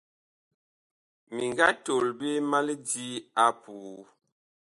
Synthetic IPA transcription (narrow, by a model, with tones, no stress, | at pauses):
mi˨ŋɡa˦to˨lbe˦ma˦li˦di˦a˦puː˨